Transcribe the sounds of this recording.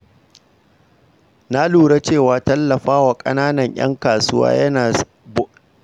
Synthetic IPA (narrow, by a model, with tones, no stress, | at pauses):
na˦luː˨ɽe˦t͡ʃeː˦˨waː˦tɐ˦lːɐ˨ɸaː˦waː˨kʼɐ̰˦naː˦nɐ˨ɲj̰ʔɐ̰˦ŋkaː˨sʊ˦wa̰ː˦jɐ˦naː˨ | b